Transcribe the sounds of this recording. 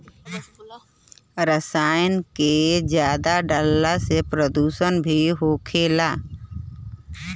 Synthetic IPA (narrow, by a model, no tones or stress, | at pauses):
ɾəsaːjənked͡ʒjaːd̪aɖəlːasepɾəd̪uːʃənbʱiɦoːkʰeːlaː